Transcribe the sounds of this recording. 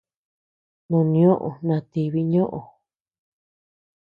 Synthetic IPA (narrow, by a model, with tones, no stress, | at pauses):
nõ˧nĩ˧õ˦ʔõ̰˨nã˧˨t̪i˧βi˦ɲõ˦ʔo˨